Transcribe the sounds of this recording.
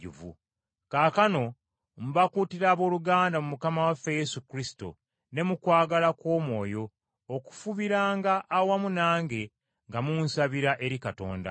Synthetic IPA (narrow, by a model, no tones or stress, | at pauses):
ṵvṵ | kaːkano̞ | muβakutiɾaːβo̞ːluɡaːndamumukamawafeje̞sukɾisi̥to̰ | ne̞mukwaːɡalakwo̞ːmwo̞ːjo̞ː | ku̥fuβiɾaːŋɡaʔːwamunaːŋɡe̞ | ŋɡamunsaβiɾaʔe̞ɾikato̞̰ːnda̰